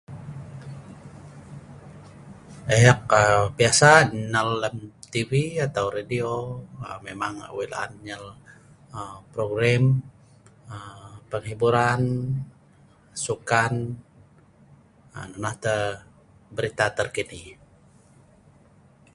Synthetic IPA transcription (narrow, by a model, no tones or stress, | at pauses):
ajak̚əbiasanəlːəmt̪iviat̪awɾadioəmemaŋwila̰a̰nɲəl | əpɾoɡɾɛm | əpəŋɦibuɾan | sukan | ənənaht̪ə | bəɾit̪at̪ərkini